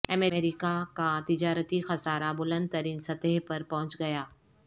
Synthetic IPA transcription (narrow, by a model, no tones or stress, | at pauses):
ɐmeeːɾikakat̪ɪd͡ʒaːɾət̪ixɐsaːɾabʊlə̃nd̪̚t̪ɐɾiːnsɐt̪əɦpɐɾpɐ̃ɦʊ̃t͡ʃɡɐjaː